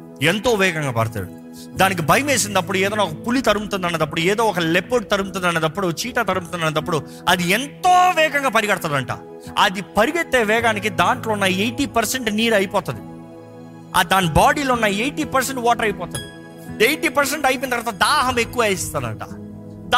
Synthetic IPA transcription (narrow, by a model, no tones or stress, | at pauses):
ent̪o̞ːʋɛːɡɐŋɡaːpɐ̰ɽt̪a̰ːɽu | d̪aːnik̬ibʱɐjɐmeːsind̪ɐpːuɽuɛːd̪ɐnaːɔkɐpulit̪ɐɾumut̪und̪ɐneːd̪ɐpːuɽueːd̪o̞ːɔkɐlepːoːɖ̚t̪ɐɾumt̪̬und̪ɐneːd̪ɐpːuɽut͡ʃiːʈat̪ɐɾumt̪unɐneːd̪ɐpːuɽu | ɐd̪ient̪oːʋɛːɡɐŋɡaːpɐɾiɡɐɽɐt̪aːɾd̪ɐɳʈa̰ | ɐ̰d̪ipɐɾiɡɐt̪ːeːʋɛːɡaːnik̬id̪aːɳʈlo̞ːnːɐjejʈiːpɐɾseɳʈniːɾɐjipɔːt̪ɐd̪i | a̰d̪aːnibaːɽiːlonːɐjejʈiːpɐɾseɳʈʋɔːʈɐɾɐjpɔːt̪ɐd̪i | ejʈiːpɐɾs̬eɳʈɐjpint̪ɐɾʋaːt̪ɐd̪aːɦɐmekːuʋaeːst̪aːd̪ɐ̰ɳʈa̰